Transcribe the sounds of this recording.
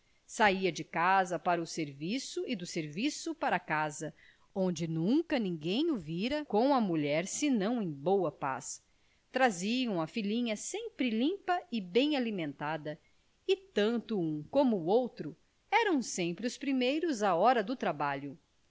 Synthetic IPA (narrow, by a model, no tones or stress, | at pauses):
saiɐd͡ʒɪkazɐpaɾɐʊseɾvisʊɪd̪ʊseɾvisʊpaɾɐkazɐ | õnd͡ʒɪnũkɐnĩŋɡẽj̃ʊviɾɐkõw̃ɐmuʎɛɾsɪnɐ̃w̃ẽj̃bowɐpa̰s | t̪ɾaziɐ̃w̃ɐfilĩɲɐsẽmpɾɪlĩpɐɪbẽj̃alimẽnt̪ad̪ɐ | ɪt̪ɐ̃nt̪ʊũkõmʊowt̪ɾʊ | ɛɾɐ̃w̃sẽmpɾɪʊspɾimejɾʊzɐɔɾɐd̪ʊt̪ɾabaʎʊ